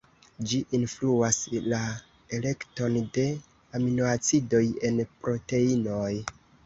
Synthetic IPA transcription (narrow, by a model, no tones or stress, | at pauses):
d͡ʒiʔinfluasla | ele̞kto̞nde̞ | aminoat͡sido̞je̞npɾo̞te̞ino̞j